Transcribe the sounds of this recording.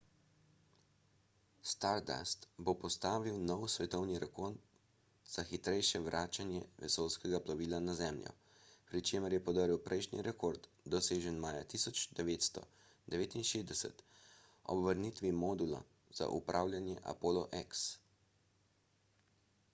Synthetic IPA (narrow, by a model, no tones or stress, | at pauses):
st̪aɾd̪a̰st̪bopɔst̪aːʋiwnɔwsʋɛt̪ɔwniɾɛkort̪ | z̥axit̪ɾɛjʃɛʋɾʔaːt͡ʃanjɛʋɛ̰sowskɛɡaplaʋiːlanazɛmlʲjɔ̰ | pɾit͡ʃeːməɾjɛpɔd̪əɾiwpɾʔɛjʃnḭɾʔɛkoːɾd̪ | d̪ɔseːʒənmaːjat̪isɔt͡ʃd̪ɛʋeːt̪st̪ɔ̰ | d̪ɛʋeːt̪inʃeːzd̪ɛsɛ̰t̪ | ɔ̰bʋəɾnit̪ʋimɔːd̪ula̰ | z̥a̰ʔupɾʔaːwlʲjanjɛʔa̰poːlɔʔɛks